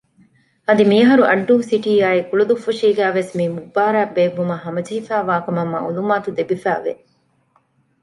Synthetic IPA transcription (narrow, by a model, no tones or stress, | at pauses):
ɐd̪imiɐɦɐɾuʔɐɖːuːsiʈiːaːikulɐd̪ufːɐʃiːɡæːʋesmiːmubːaːɾæːbeːʋːumɐɦɐmɐd͡ʒiifæːʋaːkɐmɐmːɐ̰ulumaːt̪ud̪ebifæːʋḛ